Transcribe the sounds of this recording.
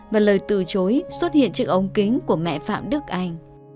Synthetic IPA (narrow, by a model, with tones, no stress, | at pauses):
vaː˨˩ləː˨˩jt̪ɨ̰˧˩t͡ɕo˨˦jswə˦˥t̚hḭ˧˨ənt͡ɕɨ˦˥ək̚ʔə˧wŋ͡mkï˨˦ŋ̟ku˧˩əmɛ̰˧˨fa̰ː˧˨mɗɨ˦˥ək̚ʔa˧jŋ̟